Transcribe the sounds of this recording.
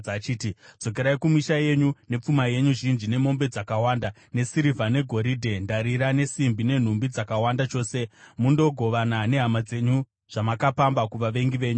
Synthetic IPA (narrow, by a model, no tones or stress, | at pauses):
t͡ʃiːtid͡z̥o̞ke̞ɾaikumiʃaje̞ɲune̞p͡fumaje̞ɲuʐind͡ʒine̞mo̞mbe̞d͡zakawaːnda | ne̞siɾivʱane̞ɡʱo̞ɾidʱe̞ndaɾiɾane̞simbine̞n̤umbid͡zakawandat͡ʃo̞ːse̞mundo̞ɡʱo̞ʋanane̞ɦamad͡ze̞ɲu | ʐ̥amakapambakuʋaʋe̞ŋɡiʋe̞ːɲu